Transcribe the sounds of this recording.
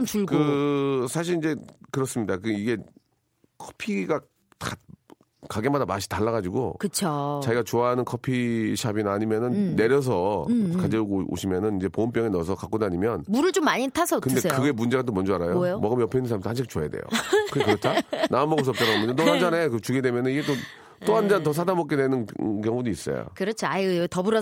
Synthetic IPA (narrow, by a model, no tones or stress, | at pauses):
omt͡ɕuɭɡkɯsʰaɕ̬ʰiɾind͡ʑe̞kɯɾʌs͈ɯmɲidak̬ɯiɡe̞ | kʰʌ̥pʰiɡa | ta̰ | kaɡe̞madamaɕʰi̥taɭːaɣad͡ʑiɡokɯt͡ɕʰot͡ɕaɡiɡat͡ɕoaɦanɯnkʰʌpʰiɕʰabinaɲimjʌnɯnːe̞ɾjʌs̬ʰʌkad͡ʑeuɡoo̰ɕʰimjʌnɯnind͡ʑe̞pomp̬͈jʌŋenʌsʰʌkak͈odaɲimjʌnmuɾɯɭt͡ɕomːaɲitʰasʰʌkɯnnd̪e̞sekɯɡe̞mund͡ʑe̞ɡat̬omʌnd͡ʑʌaɾajojomʌɡɯmjʌpʰeinɯnsʰamtɦanɕʰik̚ʰt͡ɕoajadḛjo̰kɯɡekɯɾʌtʰanaɯmʌɡɯs̬ʰʌp̚t͡ɕ͈anaɡomjʌndatoɦand͡ʑanekɯt͡ɕuɡedwe̞mjʌnɯniɡe̞t͈o | t͈oɦand͡ʑantʌs̬ʰadamʌk͈ene̞nɯnk̬jʌŋudois͈ʌ̰jo̰kɯɾʌt͡ɕʰoajtʌbuɾʌ